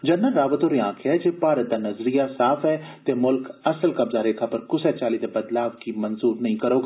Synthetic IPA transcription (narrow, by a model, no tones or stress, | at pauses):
d͡ʒɐnːəlːaːʋət̪oɾjãːkʰɛd͡ʒepaːɾət̪̚ːanɐzɾijasaːfɦɛːt̪emʊlkɐsəlkɐbzaɾeːkʰapɐɾkʊsɛt͡ʃaːlid̪ebɐd̪laːʋkimɐnzuːɾnɐɦĩkɐɾoːɡ